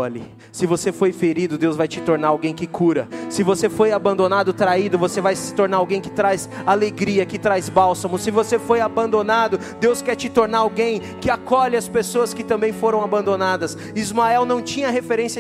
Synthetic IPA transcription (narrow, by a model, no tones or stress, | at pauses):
ɔlɪ | sɪvosefojfeɾid̪ʊd̪ewzvajt͡ʃɪt̪oɾnaɾawɡẽj̃kɪkʰuɾɐsɪvosefojabɐ̃nd̪onad̪ʊt̪ɾaid̪ʊvosevajsɪ̥t̪oɾnaɾawɡẽj̃kɪt̪ɾajzaleɡɾiɐkɪt̪ɾajzbawsɐmʊsɪvosefojabɐ̃nd̪onad̪ʊ | d̪ewskɛɾt͡ʃɪt̪oɾnaɾawɡẽj̃ | kɪakɔʎɪɐspesoɐskɪt̪ɐ̃mbẽj̃foɾɐ̃w̃abɐ̃nd̪onad̪ɐs | izmaɛwnɐ̃w̃t͡ʃĩɲɐhefeɾẽsiɐ